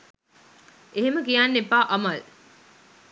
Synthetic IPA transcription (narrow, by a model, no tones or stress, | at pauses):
ʔeɦeməkijanːepaːʔɐmɐl